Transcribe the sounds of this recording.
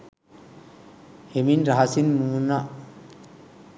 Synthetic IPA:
heminɾaɦasinmuːna

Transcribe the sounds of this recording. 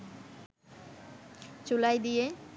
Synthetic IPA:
t͡ɕulajd̪ije

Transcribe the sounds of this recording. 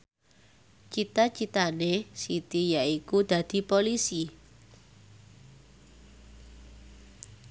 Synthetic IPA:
t͡ʃit̪at͡ʃit̪anesit̪ijaʔikud̪̥ä̤d̪̥i̤polisi

